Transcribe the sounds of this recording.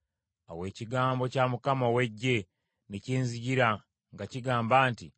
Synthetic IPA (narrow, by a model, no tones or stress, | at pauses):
o̰we̞ːciɡaːmbo̞camukamawe̞ɟːe̞ | neciːnziɟiɾa | ŋɡaciɡaːmbaːnti